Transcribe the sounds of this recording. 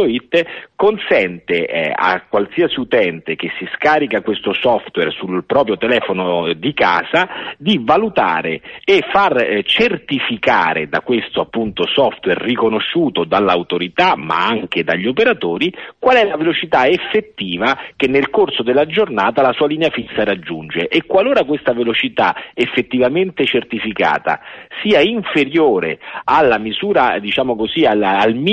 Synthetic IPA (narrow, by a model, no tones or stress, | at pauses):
oit̪ːkonsɛnt̪ea̰kːwalsiːasiut̪ɛnt̪ek̟esːiskaːɾikakwest̪osɔft̪wɛrsulpɾɔːp̬ɾjot̪ɛlɛːfonod̪ika̰ːzad̪ivːalut̪a̰ːɾeːfart͡ʃert̪ifika̰ːɾḛd̪akwest̪oapːunt̪osɔft̪wɛrːikonoʃːuːt̪od̪alːawt̪oɾit̪ama̰aŋk̟ed̪aʎːiopeɾat̪oːɾikwalɛlavelot͡ʃit̪aefːet̪ːiːvak̟enːelkorsod̪elːad͡ʒornaːt̪alasuːaliːneafinsaɾad͡ʒːund͡ʒeʔekːwaloːɾakwest̪avelot͡ʃit̪a̰efːet̪ːivament̪et͡ʃert̪ifika̰ːt̪a̰siːaiɱfeɾjoːɾḛalːamizuːɾad̪it͡ʃaːmokozialaːlm